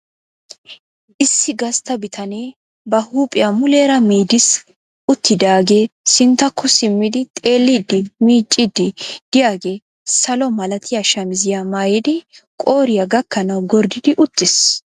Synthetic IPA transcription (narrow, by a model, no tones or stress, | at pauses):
ʔɪsːɪɡɐst̪ɐbɪt̪ʰɐneː | bɐhuːpʼɪjamʊle̞ːɾɐmiːd̪ɪs | ʔʊt̪ːɪd̪aːɡe̞ːsɪnt̪ːɐkʰːɔsɪmːɪd̪ɪt̪ʼe̞ːlːɪd̪ːɪmiːt͡ʃʼːɪd̪ɪd̪̥ɪjaːɡe̞ː | sɐlɔmɐlɐt̪ʰɪjaʃɐmɪzɪjamaːjɪd̪ɪkʼo̞ːɾɪjɐɡɐkːɐnɐwɡɔɾd̪ɪd̪ɪʔʊt̪ʼːɪs